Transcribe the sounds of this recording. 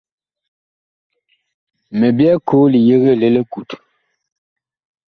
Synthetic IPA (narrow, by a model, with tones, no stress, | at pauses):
me˨bja˦kʰo˨˦li˨je˦ɣə˦˨le˦le˦ku˨t